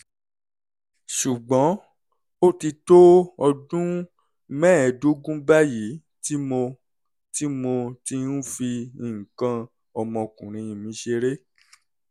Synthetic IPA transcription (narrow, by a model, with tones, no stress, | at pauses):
ʃu˨ɡ͡bɔ̃˨˦ | o˦ti˧to˦ɔ˧dũ˦ | mɛ̃ː˦˨do˦ɡũ˦ba˦ji˨˦ | ti˦mo˧ | ti˦mo˧ti˦nũ˦fi˧i˨ŋ̩˨kã˧ | ɔ˧mɔ̃˧kũ˨ɾ̃ĩ˨˧ĩ˧mĩ˨˦ʃe˧ɾe˦